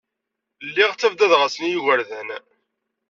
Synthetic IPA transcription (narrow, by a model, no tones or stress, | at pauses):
lːiʁt͡sːævd̪æðʁasənjuʝəɾðæn